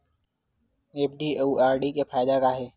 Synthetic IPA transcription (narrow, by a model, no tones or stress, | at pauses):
eːpɖiːeuaːɾɖikepʰaːɪd̪akaɦɛː